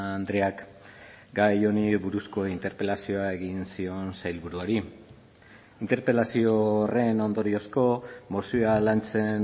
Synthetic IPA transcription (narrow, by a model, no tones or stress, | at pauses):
nd̪ɾeak | ɡajo̞niβuɾusko̞int̪e̞ɾpe̞lasio̞ae̞ɣinsio̞nsajlβuɾuaɾi | int̪e̞ɾpe̞lasioːre̞no̞nd̪o̞ɾio̞sko̞mosialant͡se̞n